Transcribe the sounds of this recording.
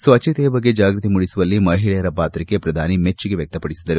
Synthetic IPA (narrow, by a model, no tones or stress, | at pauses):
sʋɐt͡ʃːit̪ɛjɐbɐɡːed͡ʒaːɡɾut̪imuɽisuʋɐlːimɐɦiɭɛjɐɾɐpaːt̪ɾikːepɾɐd̪ʱaːnimet͡ʃːiɡe̞ʋjɐk̚t̪ɐpɐɽisid̪ɐɾu